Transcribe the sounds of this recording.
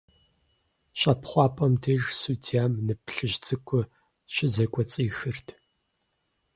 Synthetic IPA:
ɕʼɐpχʷɑːpʼɐmtʰeʒsuːtʰiaːmnɨpɬɨʑt͡sʰʼɨkʷʰʼʊ | ɕɪzɐkʷʼɔt͡sʼiːxɨrtʰ

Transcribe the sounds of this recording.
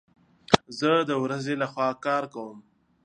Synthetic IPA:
zəd̪əwɾazelaxwɑkɑːɾkawəm

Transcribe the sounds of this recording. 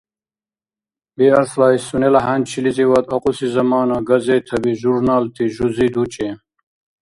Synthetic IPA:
biɐɾslaːisunelɐɦɐnt͡ɕʰilit͡siwɐt̪ɐqusizɐmɑːnɐɡɐzet̪ʰɐbiʒuɾnaːlt̪ʰiʒuzid̪ut͡ɕʼe

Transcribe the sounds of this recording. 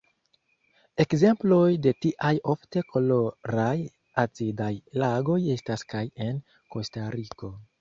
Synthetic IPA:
e̞kze̞mplo̞jde̞tiʔajo̞fte̞kʰo̞loɾaj | azidajlaɡo̞je̞staskaje̞n | ko̞staɾiko̞

